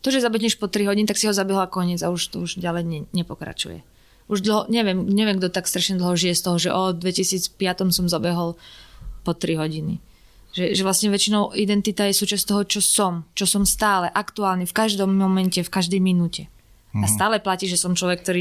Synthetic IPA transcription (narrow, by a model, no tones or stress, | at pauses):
t̪ɔʒɛzabɛɦɲɛʃpɔt̪ɾiɦɔɟinit̪aksiɦɔzabɛɦɔlakɔɲɪɛd͡zauʃt̪ɔuʒɟalɛjɲɛɲɛpɔkɾa̰t͡ʃṵjɛ̰ | uʒd̪l̩ˠɦɔɲɛʋɪɛmɲɛʋɪɛmɡd̪ɔt̪akst̪ɾaʃɲɛd̪l̩ˠɦɔʒijɛst̪ɔɦɔʒɛ̰ʔɔd̪ʋɛcisiːt͡spɪat̪ɔmsɔmzabɛɦɔlpɔt̪ɾiɦɔɟinḭ | ʒɛʒɛʋlasɲɛʋɛt͡ʃinɔʊid̪ɛnt̪it̪aːjɛsuːt͡ʃast̪ɔɦɔt͡ʃɔsɔmt͡ʃɔsɔmst̪aːlɛʔakt̪uaːlnifkaʒd̪ɔmːɔmɛncɛfkaʒd̪ɛjminuːcɛ | ast̪aːlɛplaciːʒɛsɔmt͡ʃlɔʋɛk̚ːt̪ɔɾiː